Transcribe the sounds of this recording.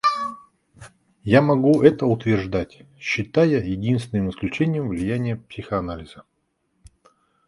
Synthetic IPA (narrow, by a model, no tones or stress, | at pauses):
jamɐɡuɛt̪əʊt̪vʲɪrʐd̪atʲɕːɪt̪ajəjɪdʲinst̪vʲɪnɨmɪsklʲʉt͡ɕenʲɪjəmvlʲɪjænʲɪjəpsʲɪxəɐnalʲɪzə